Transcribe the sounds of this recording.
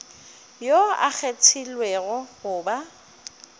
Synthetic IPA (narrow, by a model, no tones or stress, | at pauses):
joa̰k͡xʰet͡sʰilwɛɣʊɣʊːba